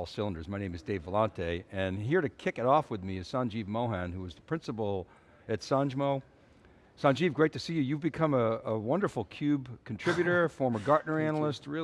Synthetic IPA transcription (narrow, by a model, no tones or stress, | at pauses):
lˠsɪlˠə̃ndə˞zmaɪnẽɪ̃mɨzdeɪvəlɑ̃ntʰeɪɨ̃nɦiɹɾɨkʰɪkɨɾɔfwɨðmiɨ̥sɑ̃nd͡ʒivmoʊɦæ̃nhuʌzðəpʰɹ̥ɪ̃nsəpl̩ˠ | ɨtsɑ̃nd͡ʒmoʊ | sɑ̃nd͡ʒivɡɹeɪtɨsijɨjɨvbɨkʰʌ̃məəwʌ̃ndə˞fl̩ˠkʰj̥ʉbkʰn̩tʰɹ̥ɪbjɨɾə˞fɔɹmə˞ɡɑɹdⁿnə˞ænl̩ˠəst̚ɹɪ